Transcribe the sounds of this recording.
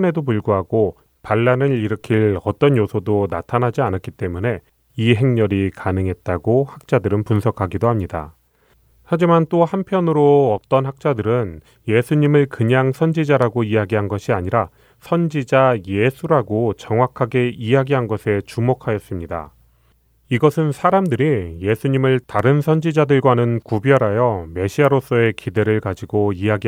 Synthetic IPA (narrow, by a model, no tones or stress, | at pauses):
ɯne̞dopuɭɡuɦaɡo | paɭːanɯɭiɾɯkʰiɭʌt͈ʌnjosʰodona̰tʰanɦad͡ʑianak͈it͈e̞mune̞ | iɦe̞ŋɲʌɾikanɯŋɦe̞t̚t͈aɡohak̚t͡ɕ͈adɯɾɯnpunsʰʌkʰaɡidohamɲida̰ | had͡ʑimant͈ohampʰjʌnɯɾoʌt͈ʌnhak̚t͡ɕ͈adɯɾɯn | je̞sʰuɲimɯɭkɯɲaŋsʰʌnd͡ʑid͡ʑaɾaɡoiaɡiɦanɡʌɕʰiaɲiɾa | sʰʌnd͡ʑid͡ʑaje̞sʰuɾaɡot͡ɕʌŋwakʰaɡe̞ijaɡiɦanɡʌsʰe̞t͡ɕumokʰajʌs͈ɯmɲida̰ | iɡʌsʰɯnsʰaɾamdɯɾije̞sʰuɲimɯɭtaɾɯnsʰʌnd͡ʑid͡ʑadɯɭɡwanɯnkubjʌɾajʌme̞ɕʰiaɾos͈ʌe̞kide̞ɾɯɭkad͡ʑiɡoiaɡi